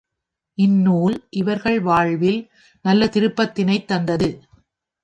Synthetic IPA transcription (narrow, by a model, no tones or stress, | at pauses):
ʔɪnːuːlʔɪʋɐɾɣɐɭʋaːɻʋɪl | nɐlːɐt̪ɪɾɯpːɐt̪ːɪnɐɪt̪ːɐnd̪ɐðɯ